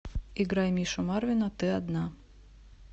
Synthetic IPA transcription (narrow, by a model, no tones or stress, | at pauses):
iɡɾajmʲiʃɔmarvʲinɐt̪ɨad̪na